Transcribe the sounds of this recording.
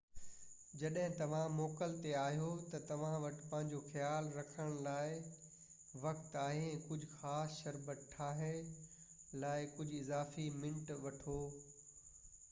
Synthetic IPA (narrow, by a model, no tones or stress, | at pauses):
d͡ʑɐɗɦɪ̃t̪ɐʋ̤ãmɔːkəlt̪eaːɦijot̪ɐt̪ɐʋ̤ãʋɐʈɪ̥pɐ̃ɦɪ̃ɲd͡ʑoxjaːlɾɐkʰəɽ̃laːɪ | ʋɐkt̪aːɦẽkʊd͡ʑʱxaːsʃɐɾbət̪ʈʰaːɦɪ | laːɪkʊd͡ʑʱɪzaːfimɪ̃ɳʈʋɐʈʰoː